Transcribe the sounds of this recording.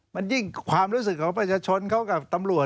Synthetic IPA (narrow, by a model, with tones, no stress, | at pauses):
ma˧nji˥˩ŋkʰwaː˧mɾuː˦˥s̬ɯ˨˩kʰːɔː˨˦ŋpɾa˧t͡ɕʰaː˧t͡ɕʰo˧nkʰa˦˥˩wka˨˩p̚t̪a˧mɾu˨˩ə